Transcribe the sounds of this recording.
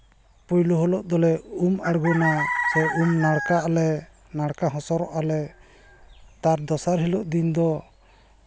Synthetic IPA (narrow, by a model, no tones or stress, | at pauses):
pujluɦɔlɔʔd̪ɔlɛumaɽɡɔnasɛumnaɽkaːlɛ | naɽkaɦɔ̃sɔɾɔʔalɛ | t̪aɾd̪ɔsaɾɦilɔʔd̪ind̪ɔ